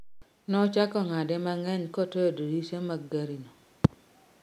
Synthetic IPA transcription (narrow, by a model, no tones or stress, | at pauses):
nɔt͡ʃakɔŋadɛmaŋɛɲkɔtojododisamaɡaɾino